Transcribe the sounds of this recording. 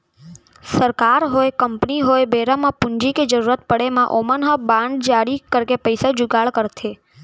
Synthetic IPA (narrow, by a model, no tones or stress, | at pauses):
səɾkaɾɦoekəmpniɦoebeɾamãpũɲd͡ʒiked͡ʒəɾuɾət̪̚pəɽemãʔomənɦəbãɳɖd͡ʒaɽikəɾkepəjsad͡ʒuɡaɭkəɾt̪ʰe